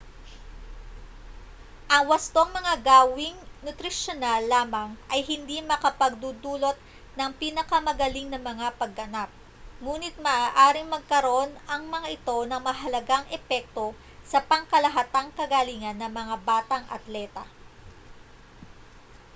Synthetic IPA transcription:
ʔɐŋwɐst̪o̞ŋmɐŋaɡaːwɪŋnʊt̪ɾɪʃonalːaːmɐŋʔɐjɦɪnd̪imɐkɐpɐɡ̚d̪uːd̪uːlo̞t̪̚ | nɐŋpiːnɐkɐmɐɡɐliŋnɐmɐŋapɐɡ̚ːɐnap̚ | ŋuːnɪt̪̚mɐʔaːʔaːɾɪŋmɐɡ̚kɐɾo̞nɐŋmɐŋaʔɪt̪o̞nɐŋmɐɦɐlɐɡaŋʔɛpɛk̚t̪o̞ | sɐpɐŋkɐlɐɦɐt̪aŋkɐɡaliŋɐnːɐŋmɐŋabaːt̪ɐŋʔɐ̰t̪lɛt̪ɐ̰

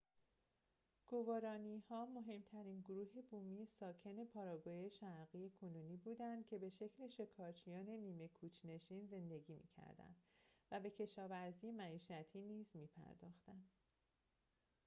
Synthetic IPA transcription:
ɡ̥o̞vɒːɾɒːnihɒːmo̞ɦe̞mt̪ʰæɾiːnɡoɾuːɦe̞buːmijesɒːcʰe̞ne̞pʰɒːɾɒːɡoːje̞ʃæɾɣije̞kʰonuːniːbuːd̪ænd̪̥cʰe̞be̞ʃe̞cʰle̞ʃe̞kʰɒːɾt͡ʃʰijɒːne̞niːme̞kʰuːt͡ʃʰne̞ʃiːnze̞nd̪e̞ɡiːmḭːcʰæ̰ɾd̪æ̰nd̪̥væbe̞cʰe̞ʃɒːvæɾziːjemæiːʃæt̪ʰiːniːzmiːpʰæ̰ɾd̪ɒ̰ːxt̪ænd̪̥

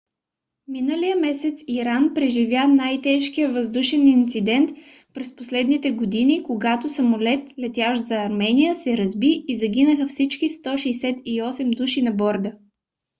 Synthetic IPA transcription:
minəlijəmɛsɛt̪siɾanpɾɛʒivʲjanajt̪ɛʃk̟ijəvəzd̪uʃɛnint̪sid̪ɛnt̪ | pɾɛsposlɛd̪nit̪ɛɡod̪inikoɡat̪osɐmolɛt̪lɛt̪jaʃzɐːɾmɛnijəsɛɾɐzbiːzɐɡinəxəfsit͡ʃkist̪ɔʃɛjsɛt̪iɔsɛmd̪uʃinɐbɔɾd̪ə

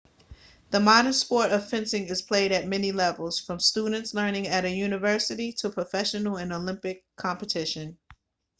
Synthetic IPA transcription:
ðəmɑɾə̃˞nspɔɹɾʌv̥fɪ̃nsɪ̃ŋɨz̥pʰl̥eɪɾɨt̚mɛnilɛvl̩ˠz̥fɹʌ̃mstudⁿn̩tslɜ̃˞nɪ̃ŋɨɾɨjʉnɨvɜ˞sɨɾiɾəpʰɹ̥əfɛʃɨnl̩ˠɨ̃nolɪ̃mpɪkʰːɑ̃mpɨtʰɪʃɨ̃n

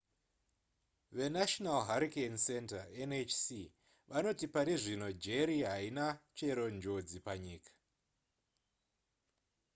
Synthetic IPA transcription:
ʋe̞naʃonalɦaɾikensentaenet͡ʃsi | ʋʔano̞tipaɾiʐino̞d͡ʒeɾiɦainat͡ʃe̞ɾo̞nd͡ʒo̞d͡zipaɲiːkḁ

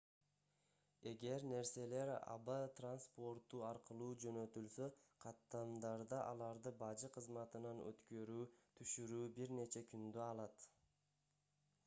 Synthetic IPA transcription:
e̞ɡe̞ɾne̞ɾse̞le̞ɾɑ̰bat̪ranspo̞ɾt̪ːuɑɾqɯlˠuːd͡ʒø̞nø̞t̪ylsøqʰɑt̪ːɑmd̪ɑɾd̪ɑʔɑlˠɑɾd̪ɯbɑd͡ʒɯqʰɯzmɑt̪ɯnɑnø̰t̪kø̞ɾyːt̪ʰyʃyɾyːbiɾne̞t͡ʃekynd̪øɑlˠɑt̪

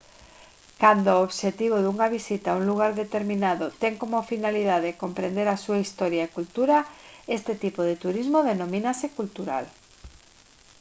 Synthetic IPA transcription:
kand̪ooβʃet̪iβ̞oðuŋaβisit̪auŋluɣ̞aɾðet̪eɾmĩnaðot̪eŋkomofinalið̞aðekompɾend̪eɾasuaist̪ɔɾjaekult̪uɾaest̪ɪt̪ipoðet̪uɾizmoðenõmĩnasekult̪uɾa̰l

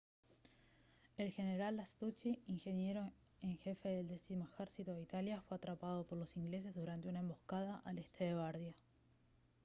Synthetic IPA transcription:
e̞lxeneɾalast̪ut͡ʃiiŋxenje̞ɾo | eŋxe̞fe̞ðe̞ld̪esimoexeɾsit̪oðeit̪aljafwe̞at̪ɾapað̞o̞po̞ɾlo̞siŋɡle̞s̬e̞zðuɾant̪eunaẽ̞mbo̞kaðaʔalest̪eðeɣaɾðja

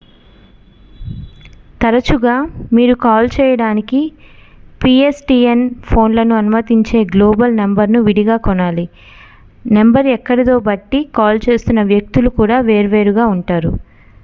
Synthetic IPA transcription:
t̪ɐɾɐt͡ʃuɡaːmiːɾukaːlt͡ʃɛːjɐɽaːniki | piesʈiːenpʰo̞ːnlɐnuɐnumɐt̪iɲt͡ʃe̞ːɡlo̞ːbɐlnembɐɾnuʋiɽiɡaːkɔnaːli | nembɐɾɛkːɐɽɐt̪o̞ːbɐʈːikaːlt͡ʃe̞ːst̪unːɐʋjɐk̚t̪ulukuːɽaːʋe̞ːɾʋe̞ːɾuɡaːuɳʈaːɾṵ

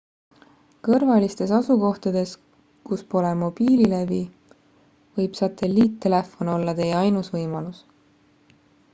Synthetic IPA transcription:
kɤrvɑlist̪e̞sɑsuko̞ht̪ɑd̪̥e̞s | kuspo̞lemo̞b̥iːlilevi | vɤjb̥sɑt̪e̞lʲːiːt̪ːe̞le̞fo̞no̞lːɑt̪e̞jeɑjnusvɤjmɑlus

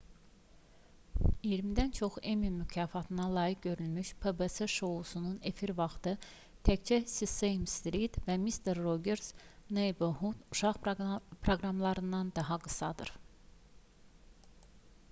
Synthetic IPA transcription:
ijiɾmid̪ænt͡ʃʰo̞χemimycʰɑːfɑt̪ʰɯnɑlˠɑːjik̚ɟø̞ɾylmyʃpʰebeseʃo̞usunune̞fiɾvɑχt̪ɯ | t̪ʰæct͡ʃʰæsisejmst̪ɾit̪væmist̪ʰeɾːoɟeɾznejboɦut̪uʃɑʁpʰɾoɡɾɑmlˠɑɾɯnd̪ɑnd̪ɑɦɑɡɯsɑd̪ɯ̰ɾ̥

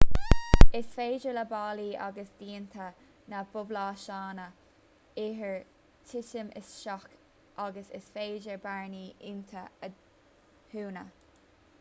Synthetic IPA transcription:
ɪsfeːd͡ʒəɹləbɑːliːʔa̰ɡəsd̥̪iːnt̪ʰə | nab̥ʊblɑːʃɑːnə | ɪɦəɹ | tʰɪtəmɪ̰sʃɔk | ʔaɡəsɪ̰sfeːd͡ʒəɹbaɹniːʔɪnt̪ʰəə | huːnə

